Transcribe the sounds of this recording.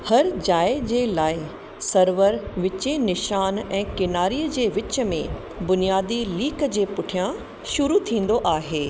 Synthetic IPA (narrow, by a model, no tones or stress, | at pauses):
hɐɾd͡ʑaːɪd͡ʑeːlaːɪɦ | sɐɾʋəɾʋɪt͡ɕẽnɪʃaːnɛ̃ːkɪnaːɾiːəd͡ʑeːʋɪt͡ɕə̆mẽ | bʊnijaːd̪iliːkəd͡ʑeːpʊʈʰijã | ʃʊɾut̪ʰĩːn̆d̪oʔaːɦeː